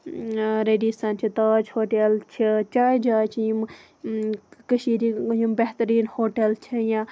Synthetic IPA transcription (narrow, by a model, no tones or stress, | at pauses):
ɾeːɖisɐnt͡ʃʰit̪aːd͡ʒhoːʈeːlt͡ʃʰit͡ʃaːjd͡ʒaːt͡ʃʰjum | kəʃiːɾijumbeht̪əɾiːnhoːʈelt͡ʃʰijã